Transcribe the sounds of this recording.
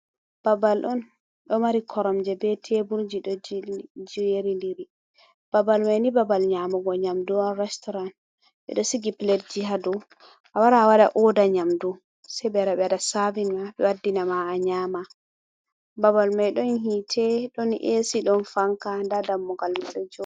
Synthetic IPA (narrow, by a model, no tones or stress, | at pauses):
b̥abalʔɔn | ɗɔmaɾikʰɔɾɔmd͡ʒɛbɛtʰebuɾd͡ʒiɗɔd͡ʒiweɾindiɾi | b̥abalmajnibabalɲamɔɡɔɲamduɔnɾɛstɔɾan | ɓɛ̰ɗɔsiɡiplɛdd͡ʒihadu | ʔawaɾaːwaɗa̰ʔɔdaɲamdu | sɛjbɛɾaɓɛadasavinmaɓɛwadːinamaːɲaːma | babalmajɗɔnhitʰɛɗɔnʔesiɗɔnfaŋkandadamːɔɡalmaɗɔd͡ʒɔ